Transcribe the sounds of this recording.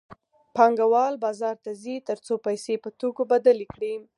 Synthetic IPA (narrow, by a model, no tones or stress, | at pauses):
pɑŋɡawɑlbɑzɑɾt̪azit̪əɾt͡sopajsepət̪okobad̪alikɽi